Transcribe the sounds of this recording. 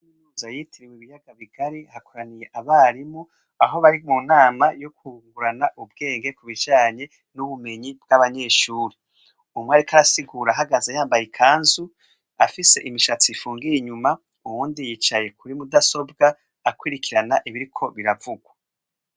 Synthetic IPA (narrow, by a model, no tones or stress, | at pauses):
inuzajitʰiɾiweβijaɡaβiɡ̥aɾihakoɾanije̞ʔaβaːɾimo | aɦo̞βaɾimunaːmajo̞kuŋɡuɾanaʔub̚ɡe̞ːŋɡe̞kuβid͡ʒaːɲe̞ | nuβume̞ɲibɡaβaɲe̞ːʃuːɾi | umweaɾikaɾasiɡuːɾaɦaɡazajaːmbajikʰaːnzu | afise̞̰ʔimiʃat͡sifuːŋɡijiɲuma | uβuːndijiːt͡ʃaje̞kuɾimudaso̞b̚ɡaː | kwiɾikʰiɾanaʔiβiɾikʰo̞βiɾavuɡwa